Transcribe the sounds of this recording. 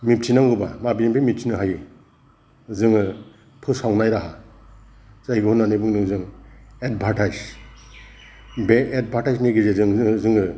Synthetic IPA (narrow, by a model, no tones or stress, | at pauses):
mip̚t͡ʃʰinaŋɡɯba̰mabijembimip̚t͡ʃʰinɯɦaji | zɯŋɯ | pʰɯsawnajɾaɦa | zajɡɯhunːanɯbɯŋnɯŋzɯŋed̚bʱatajz | beed̚bʱaɾtajzniɡizezɯŋzɯŋɯ